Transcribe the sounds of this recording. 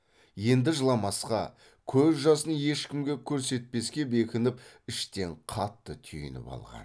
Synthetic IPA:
je̞nd̪ɪʒəlˠɑmɑsqɑ̰ | kʲʰɵzʒɑsənje̞ʃkʲɪmɡʲe̞kʲʰɵɾse̞t̪̚pe̞skʲe̞be̞kʲɪnɪpɪʃt̪e̞ɴqʰɑt̪ːət̪ʰʏjɪ̰nɪ̰pɑ̰lˠʁɑ̰n

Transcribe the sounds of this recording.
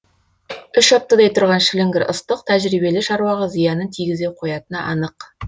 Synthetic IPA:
ʏʃɑp̚t̪ːəd̪ɑjt̪ʰʊɾʁɑnʃlɪŋɡʲɪɾʊ̰st̪əq̚t̪ʰæʒɾibe̞lɪʃɑɾuwɑʁəzijɑnənt̪ʰiɡʲɪze̞qʰo̞jɑt̪ənɑʔɑnəq

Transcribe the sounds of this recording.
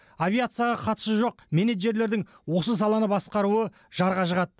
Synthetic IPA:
avijat̪sɨjaʁɑqʰɑt̪ə̥səʒo̞q̚me̞neʒe̞ɾle̞ɾd̪ɪŋ | wo̞səs̬ɑlˠɑnəbɑsqɑɾuə | ʒɑɾʁɑʃəʁɑt̪̚

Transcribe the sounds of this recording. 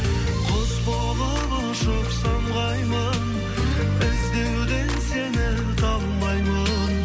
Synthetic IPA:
qʰospolˠə | b̪ə | ʃoqsɑmʁɑjmən | bɪzd̪ewd̪e̞nsenɪ | t̪ʰɑlmɑjmən

